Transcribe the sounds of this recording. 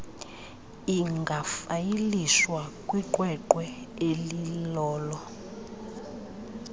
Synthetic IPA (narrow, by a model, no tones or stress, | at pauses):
iŋɡʱafajiliswakʼwiǃʼwɛǃwɛelilɔːlɔ